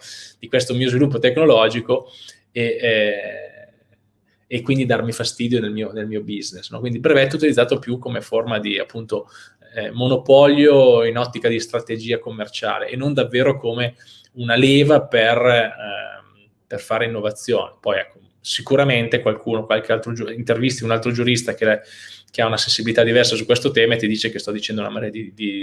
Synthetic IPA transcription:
d̪̥ikwest̪omiːozvilupːot̪ekːnolɔːd͡ʒiko | e | kːwind̪id̪armifast̪iːd̪jonelmiːonelmiːobiznesnɔ̰kwind̪ibɾevɛt̪ːeut̪ilid̪zaːt̪opjukːomeformad̪ia̰pːunt̪o | monopɔljoinɔt̪ːikad̪ist̪ɾat̪ed͡ʒiːakomːert͡ʃa̰ːlḛʔenːond̪avːeːɾokome | unaleːvaper | perfaːɾeinːovat̪sːjo̰ːnepɔjɛ̰kːo | sikuɾament̪ekwalkʰuːnokwalk̟ealt̪ɾod͡ʒuint̪ervist̪iunalt̪ɾod͡ʒuɾist̪ak̟ek̟eaunasẽnsibilit̪ad̪ivɛrsasukwest̪ot̪ɛːmaet̪ːid̪iːt͡ʃek̟est̪ɔd̪it͡ʃɛnd̪ounamaɾɛɾad̪id̪i

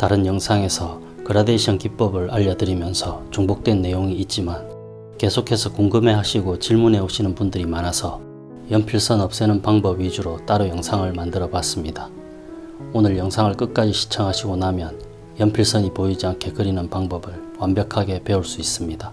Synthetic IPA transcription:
taɾɯnjʌŋsʰaŋe̞sʰʌ | kɯɾadeɕʰjʌnkip̚p͈ʌbɯɭaʎːʌdɯɾimjʌnsʰʌt͡ɕuŋbuk̚t͈we̞nːe̞joŋiːt̚t͡ɕ͈iman | ke̞sʰokʰe̞sʰʌkoŋɡɯme̞ɦaɕʰiɡot͡ɕiɭmune̞oɕʰinɯnpundɯɾimanasʰʌ | jʌmpʰiɭs͈ʌnʌp̚s͈enɯnpaŋbʌbɥid͡ʑuɾot͈aɾojʌŋsʰaŋɯɭmandɯɾʌbas͈ɯmɲida | onɯɭjʌŋsʰaŋɯɭk͈ɯk̚k͈ad͡ʑiɕʰi̥t͡ɕʰʌŋɦaɕʰiɡonamjʌn | jʌmpʰiɭs͈ʌɲipoid͡ʑiankʰe̞kɯɾinɯnpaŋbʌbɯɭwambjʌkʰaɡe̞pe̞uɭs͈uis͈ɯmɲida

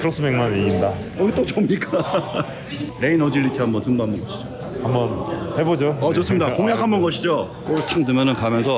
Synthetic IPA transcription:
kɯɾʌs͈ʰɯmeŋmaniɡinda | ʌt͈ot͡ɕomɲik͈a | ɾeinʌd͡ʑiɭːitʰiɦambʌntɯŋbɦambʌnɡʌɕʰid͡ʑo | ambʌnhebod͡ʑoʌt͡ɕos͈ɯmidakoŋjakʰambʌnɡʌɕʰid͡ʑo | k͈ot͡ɕʰaŋdɯmjʌnɯnkamjʌnsʰʌ

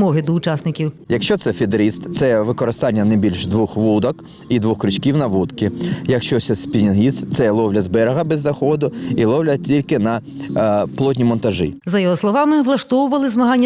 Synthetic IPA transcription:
mɔɦɪd̪ɔʊt͡ʃɑsnɪkʲiwjɐkʃt͡ʃɔt̪sɛfʲid̪ɾist̪t̪sɛʋɪkɔɾɪst̪ɑnʲːɐnɐjbʲilʲʃd̪ʋuxʋud̪ɔk | id̪ʋuxkɾɪt͡ʃkʲiwnɐʋut̪kɪjɐkʃt͡ʃɔsɛspʲinʲiɦʲist̪sɛlˠɔwlʲɐzbɛɾɐɦɐbɛzːɐxɔd̪ʊilˠɔwlʲɐtʲilʲkɪnɐ | plˠɔt̬ʲnʲimɔnt̪ɐʒɪ̰zɐjɔɦɔslˠɔʋɑmɪʋlˠɐʃt̪ɔwʊʋɐlˠɪzmɐɦɑnʲːɐ

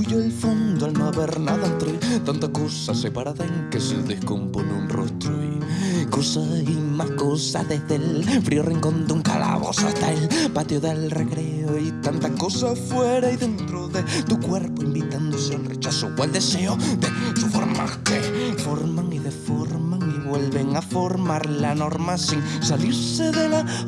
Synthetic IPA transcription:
uʎoelfond̪oalnoaβeɾnaðant̪ɾet̪ant̪akosasepaɾaðaeŋkesḛðehkomponṵnro̰st̪ɾoi | kosaimahkosa̰hðezðelfɾioriŋkõ̞nd̪euŋka̰la̰βo̰sa̰ht̪aelpat̪joðelreɣɾeoit̪ant̪ako̞safweɾaiðe̞nt̪ɾoðet̪ukwe̞ɾpoimbit̪and̪oseenre̞t͡ʃasokwald̪eseod̪esufo̰ɾma̰kefo̞ɾmaŋiðefoɾmaŋiβwe̞lβe̞ŋafo̞ɾmaɾlano̞ɾmasiŋsaliɾse̞ðela

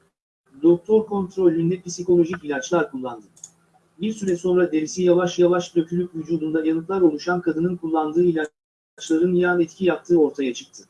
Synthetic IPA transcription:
d̪o̞k̚t̪ʰo̞ɾkʰont̪ɾo̞lʲːynd̪ɛpisiko̞lʲo̞ʒicilʲat͡ʃlˠaɾkʰulˠːand̪ɯ | biɾsyɾɛso̞nɾad̪e̞ɾisijavaʃjavaʃd̪øcʰylʲycvyd͡ʒuːd̪und̪ajanɯt̪lˠaɾo̞lˠuʃankʰad̪ɯnɯnkʰulˠːand̪ɯːilʲa | t͡ʃlˠaɾɯnjanɛt̪cʰijap̚t̪ʰɯːo̞ɾt̪ʰajat͡ʃʰɯ̥k̚t̪ʰɯ̥

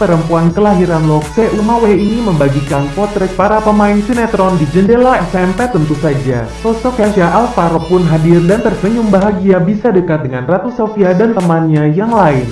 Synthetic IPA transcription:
pəɾəmpuankəlaɦiɾanlɔkseʔumaweiniməmbaɡikanpɔt̪ɾɛk̚paɾapəmaɪnsinat̪ɾɔndid͡ʒəndelaɛsɛmpɛt̪ənt̪usad͡ʒa̰ | sɔsɔkjasaʔalfaɾɔpʊnɦadɪrdant̪ərsəɲumbaɦaɡiabisadəkat̪̚dəŋanrat̪usofiadant̪əmanɲajaŋlaɪn

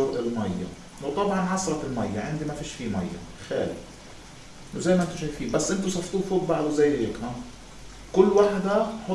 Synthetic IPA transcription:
ʊɾʔɪlmajːa̰ | wt̪ˤɑbʕɑnʕɑsˤɾˤɑt̪ɪlmajːaʕɪnd̪imafiːʃfiːmajːa̰ | xaːlɪ̰ | ʔɪnːʊzajmaʔɪnt̪uʃajfiːbasːʔɪnt̪usˤɑft̪uːfuːk̚baʕd̪uzajːheːkʔa | kʊlːwaħd̪aħo

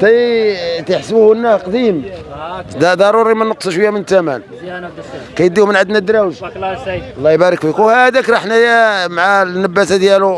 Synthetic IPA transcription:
t̪æjt̪əħsbuhnːæhqd̪im | d̪d̪ɑɾˤuɾimænəqsˤʃwəjːæmənt̪æmæ̰n | kæjəd̪ːimənʕəd̪næd̪ːɾˤɑwʒ | lˤːɑjbæɾˤəkfikuhæd̪ækɾˤɑħnæjæmaʕanːəbːæsad̪jælu

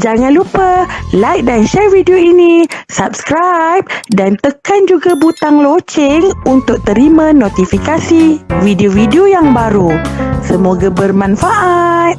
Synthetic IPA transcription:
d͡ʒaŋãnlupəlajk̚danʃɛrvidioinisap̚skɾajp̚dant̪əkand͡ʒuɡabut̪aŋlot͡ʃɪŋunt̪ʊk̚t̪əɾimãnot̪ifikasividiovidiojaŋbaɾusəmoɡabərmãnfaʔat̪̚

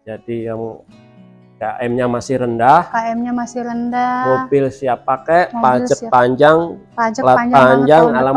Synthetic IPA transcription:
d͡ʒadijaŋ | kaʔɛmɲamasɪhɾəndahkaɛmɲamasɪrəndamobɪlsiapakaʔpad͡ʒək̚paɲd͡ʒaŋ | ad͡ʒəlapaɲd͡ʒaŋala

